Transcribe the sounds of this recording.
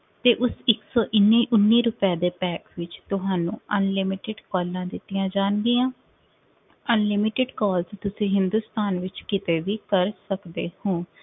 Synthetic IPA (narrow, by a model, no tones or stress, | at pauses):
t̪eːʔʊsɪksɔːʔɪnːiːʔʊnːiːɾʊpaːd̪eːpɛːkʋɪt͡ʃt̪ʊɦaːnũːənlɪmɪʈɪɖkɔːlːãːd̪ɪt̪ːijãːd͡ʒaːnɡɪːãː | ənlɪmɪʈɪɖkɔːlst̪ʊsĩːɦɪnd̪uːst̪aːnʋɪt͡ʃkɪt̪eːʋiːkəɾsəkd̪eːhõː